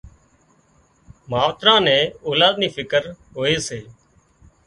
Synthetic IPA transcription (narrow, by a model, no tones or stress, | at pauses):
maːʋt̪ɾãːnɛ̃ːoːlaːd̪niːfʰɪkəɾ | ɦoːeːseː